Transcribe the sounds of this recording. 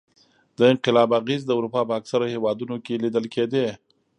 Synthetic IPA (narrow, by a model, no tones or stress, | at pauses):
d̪əɪnqɪlɑbaɣezd̪əʊɾupɑpəaksaɾahewɑd̪unokelid̪əlked̪e